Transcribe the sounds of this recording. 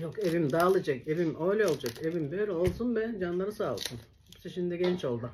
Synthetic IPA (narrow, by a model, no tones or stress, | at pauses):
jokevimd̪aːlˠid͡ʒakevimøjlʲɛolˠd͡ʒakevimbøjɾɛo̞lˠsunbɛd͡ʒanlˠaɾɯsaːlˠsɯnhɛpsɛʃimd̪iɡɛnt͡ʃo̞lˠd̪u